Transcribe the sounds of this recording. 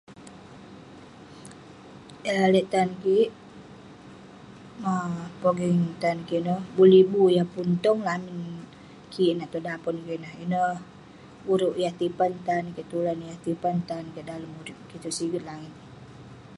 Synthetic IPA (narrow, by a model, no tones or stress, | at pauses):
ealɛʔt̪ankiʔ | apoɡiŋt̪ankiʔnəhbulibujapunt̪ɔŋlamin | kʰiʔnaʔt̪udapɔnkiʔnahinəh | uɾuʔjaht̪ipant̪ankiʔt̪ulanjaht̪ipant̪ankiʔdaləmuɾiʔkit̪uʔsiɡət̪̚laŋɪt̪̚